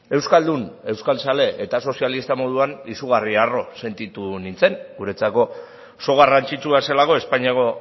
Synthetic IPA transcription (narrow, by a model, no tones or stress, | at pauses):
e̞wskald̪une̞wskalsale̞ʔet̪aso̞sialist̪amo̞ð̞uanisuɣ̞ariaro̞se̞nt̪it̪unint͡se̞ŋɡuɾe̞t͡sako̞ | so̞ɣ̞arant͡sit͡ʃuaselako̞e̞spaɲiako̞